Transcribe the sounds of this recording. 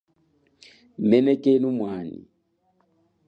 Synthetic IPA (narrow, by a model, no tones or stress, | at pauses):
mɛnɛkʼenumwaːnḭ